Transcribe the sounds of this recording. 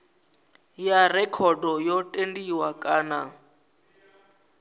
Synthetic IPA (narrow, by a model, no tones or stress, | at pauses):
jarɛkʰɔdɔjɔtʼendiwakʼaːna